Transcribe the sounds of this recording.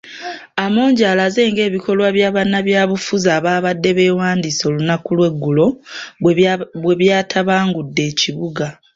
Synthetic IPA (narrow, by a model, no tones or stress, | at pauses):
amo̞ːɲɟaːlaze̞ːŋɡe̞ːβikʰo̞lwaβjaːβanːaβjaːβufuzaːβaːβadːe̞βe̞ːwaːndiso̞ːlunakulwe̞ɡːulo̞ | βwe̞βjaːtʰaβaːŋɡudːe̞ːciβuɡa